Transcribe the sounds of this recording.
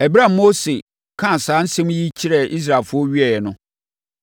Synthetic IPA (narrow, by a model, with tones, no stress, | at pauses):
ɛ˨bi˦ɾa˦˨mo˦se˨ | kʰã˦˨saː˨˦n̩˦sɛ̃˦m˦ji˦t͡ɕʰi˦ɾɛ˨ʔi˦s̬ɾa˨lfʊ˦ɔ˦ɥi˦ɛ˨jɛ˨nʊ̃˦